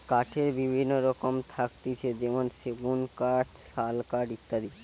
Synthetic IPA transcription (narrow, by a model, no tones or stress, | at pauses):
kaʈʰeɾbibʱinːoɾɔkomt̪ʰakt̪it͡ɕʰed͡ʑemonʃeɡunkaʈʃalkaʈit̪ːad̪i